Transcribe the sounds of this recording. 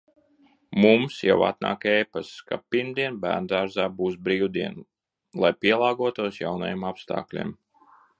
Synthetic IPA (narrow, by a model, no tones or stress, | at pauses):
mumsja̰wa̰t̪̚na̰ːkɛjpaskapiɾmd̪iɛnbæ̰ːɾnd̪aːɾzaːbuːsbɾiːwd̪iɛn | lˠajpʲiɛlˠɑːɡuɔt̪uɔsjawna̰jemapst̪a̰ːklʲḭm